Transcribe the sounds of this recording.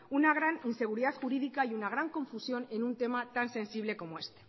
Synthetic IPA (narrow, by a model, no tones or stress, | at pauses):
unaɣ̞ɾaninse̞ɣ̞uɾiðat̪xuɾið̞ikaiunaɣ̞ɾaŋko̞ɱfusjo̞ne̞nunt̪e̞mat̪anse̞nsiβ̞le̞ko̞moe̞st̪e̥